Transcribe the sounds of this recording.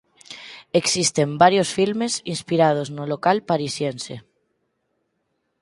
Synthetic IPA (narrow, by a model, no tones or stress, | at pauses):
eksist̪embaɾjosfilmesinspiɾað̞oznolokalpaɾisjense